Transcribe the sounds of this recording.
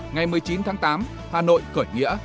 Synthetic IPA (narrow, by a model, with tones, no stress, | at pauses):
ŋa˨˩jmɨ˨əjt͡ɕi˨˦nt̪ʰaː˨˦ŋt̪aː˨˦m | haː˨˩no̰˧˨jkəː˧˩jŋḭ˧˥ə